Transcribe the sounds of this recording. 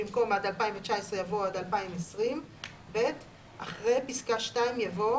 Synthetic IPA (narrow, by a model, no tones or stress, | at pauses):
imko̞madalpaimvet͡ʃaesʁejavoadalpaimesʁim | be̞t | ʔaχʁejpiskaʃtaimjavo